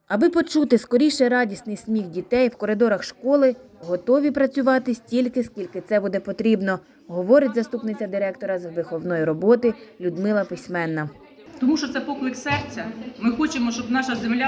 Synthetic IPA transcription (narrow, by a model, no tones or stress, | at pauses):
ɐbɪpɔt͡ʃut̪ɪskɔɾʲijʃɛɾɑdʲisnɪjsmʲixdʲit̪ɛjwkɔɾɪd̪ɔɾɐxʃkɔlˠɪɦɔt̪ɔʋʲipɾɐt͡sʲʊʋɑt̪ɪsʲtʲilʲkɪskʲilʲkɪt̪sɛbud̪ɛpɔt̪ɾʲibnɔ | ɦɔʋɔɾɪtʲzɐst̪upnɪt͡sʲɐd̪ɪɾɛk̚t̪ɔɾɐzʋɪxɔʋnɔjiɾɔbɔt̪ɪlʲʊd̪mɪlˠɐpɪsʲmɛnːɐ | t̪ɔmuʃɔt̪sɛpɔklˠɪksɛrt͡sʲɐmɪxɔt͡ʃɪmɔʃt͡ʃɔbnɑʃɐzemlʲa